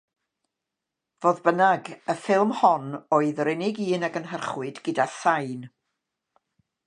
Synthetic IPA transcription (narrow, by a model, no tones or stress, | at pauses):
voːðbənaɡəfɪlˠmhɔnoːɨðɾɛnɪɡiːnaɡənɦərχwɨdɡədasajn